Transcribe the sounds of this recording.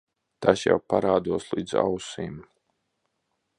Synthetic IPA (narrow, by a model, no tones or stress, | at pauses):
t̪asja̰wpaɾaːd̪uɔslˠiːd̪za̰wsiːm